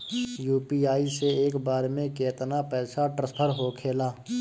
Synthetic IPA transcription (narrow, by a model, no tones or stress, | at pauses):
juːpiaːiseeːkbaːɾmẽkeːt̪napɛːsaʈɾəspʰəɾɦoːkʰeːlaː